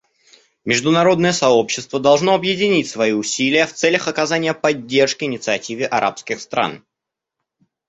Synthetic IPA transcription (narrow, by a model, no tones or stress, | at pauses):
mʲɪʐd̪ʊnɐɾo̞d̪nəjəsɐopɕːɪst̪vəd̪ɐlˠʐno̞ɐbjɪdʲɪnʲitʲsvɐiʊsʲilʲɪjəft̪sɛlʲəxɐkɐzanʲɪjəpɐdʲːe̞rʂkʲɪɪnʲɪt̪sɨɐtʲivʲɪʔɐɾʔa̰pskʲɪxst̪ɾa̰n